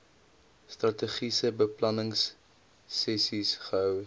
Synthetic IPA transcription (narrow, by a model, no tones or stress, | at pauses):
strɐteχisəbəplɐnəŋsː | ɛsisχəɦœw